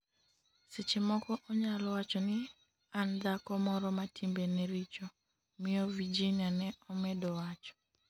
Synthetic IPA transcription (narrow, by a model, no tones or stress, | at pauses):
sɪt͡ʃemɔkɔʔɔɲalɔwat͡ʃɔnɪ | and̪akɔmɔɾɔmatʰimbenɛɾit͡ʃɔ | mɪɔvid͡ʒinianɛɔmɛdɔwat͡ʃɔ̥